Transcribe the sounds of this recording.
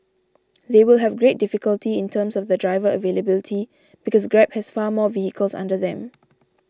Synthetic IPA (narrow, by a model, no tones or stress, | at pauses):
ðewilɦɛvɡɹet̚difikəltiɪ̃ntʰə̃msɔfðədɹaɪvəəveləbilitʰi | b̥ikɔsɡɹɛp̚hɛsfaːmɔvihikʰəlsã̰ndəðɛ̃m